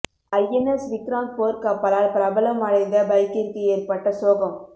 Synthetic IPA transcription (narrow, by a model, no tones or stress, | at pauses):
ɐjɛnɛsʋɪkɾaːnʈ̚poːɾkɐpːɐlaːlpɪɾɐbɐlɐmɐɻɐɪnd̪ɐbɐɪkːɪɾkɯeːɾpɐʈːɐsoːɣɐm